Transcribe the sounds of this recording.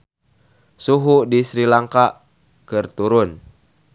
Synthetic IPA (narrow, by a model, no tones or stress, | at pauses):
suɦudisɾilaŋkaʔ | kɨrt̪uɾʊn